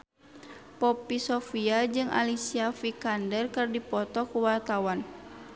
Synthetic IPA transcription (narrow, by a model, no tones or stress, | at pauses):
pɔpisɔfiad͡ʒɨŋʔa̰lisiafikandɛrkɨrdipɔt̪ɔkuwart̪awan